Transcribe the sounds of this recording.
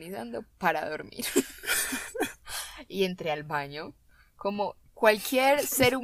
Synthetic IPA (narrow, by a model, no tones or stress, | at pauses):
niθa̰nd̪o̞paɾaðoɾmḭɾ | ie̞nt̪ɾealbaɲo̞ | komo̞ | kwalkjeɾse̞ɾu